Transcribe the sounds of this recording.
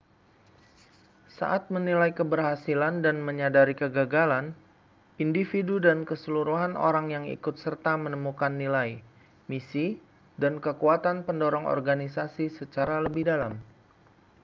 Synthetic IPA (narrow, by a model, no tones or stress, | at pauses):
sa̰ʔat̪̚mənilajkəbərɦasilandanməɲadaɾikəɡaɡalan | indifidudankəsəluɾuɦanʔo̰ɾaŋjaŋḭkʊt̪̚sərt̪amənəmukanːilaj | misi | dankəkuat̪anpəndɔɾɔŋɔ̰rɡanisasisət͡ʃaɾaləbɪhdalam